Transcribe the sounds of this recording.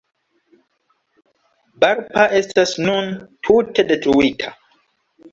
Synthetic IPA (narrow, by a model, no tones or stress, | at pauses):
baɾpaʔestasnũntʰutedet̪uwitʰa